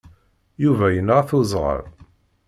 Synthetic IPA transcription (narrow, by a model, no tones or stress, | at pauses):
juvæjənʁθʊzˤʁə̰ɾ